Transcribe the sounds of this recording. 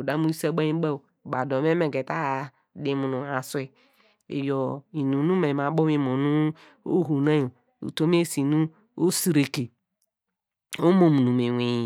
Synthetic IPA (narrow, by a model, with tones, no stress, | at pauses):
o˨da˨˦mu˦sa˦ɡ͡ba˦i˦ɡ͡ba˦˨ba˨do˨m˦e˦mẽ˨ɡe˨ta˦˨ | di˨mu˨nũ˨a˨su˦e˨ | ḛ˨jɔ˨i˨nũ˨˦nu˦mẽ˨a˨˦bo˦mĩ˦mo˨nũ˦ | o̰˦ɦu˨nã˦jo˨ | ṵ˨to˦m˦e˦˨si˨nũ˦ | o˦si˨ɾe˨ke˨ | o˦mo˨mu˨nũ˨me˨we˨